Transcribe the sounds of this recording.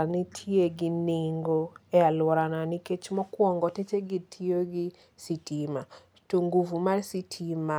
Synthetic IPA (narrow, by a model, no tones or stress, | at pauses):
anitʰjeɡɪniŋɡoɛalwɔɾananɪket͡ʃmɔkwɔŋɡɔtet͡ʃeɡɪtʰioɡɪ | sitʰima | toŋɡuvumarsitʰima